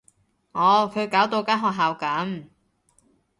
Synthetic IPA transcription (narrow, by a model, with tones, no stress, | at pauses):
ŋɔː˨˧kʰɵ˨˧ɥkaː˨˥wt̪o˧wkaː˥ɦɔː˧k̚ɦaː˨˧wkɐ˨˥m